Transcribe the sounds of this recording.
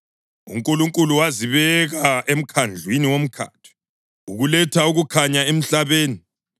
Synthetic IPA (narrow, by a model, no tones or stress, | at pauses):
ṵŋkʼuluŋkʼuluwaziβɛɣaʔem̩kʰand͡ɮʱwiniwom̩kʰa̰tʰi̥ | uɣulɛtʰauɣukʰaɲaem̩ɬaβeːni